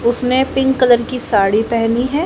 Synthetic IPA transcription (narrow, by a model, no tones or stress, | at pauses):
ʊsnepɪ̃ŋɡkɐləɾkisaːɽipɛɦniɦɛː